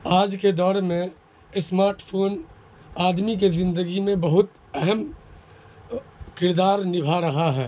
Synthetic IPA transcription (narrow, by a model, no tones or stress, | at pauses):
aːd͡ʒked̪ɔːɾmẽ | smaːɾʈpʰoːn | aːd̪mikezɪ̃nd̪əɡimẽbɐɦʊt̪ | ɛɦɛm | kɪɾd̪aːɾnɪbʱaɾɐɦaɦɛː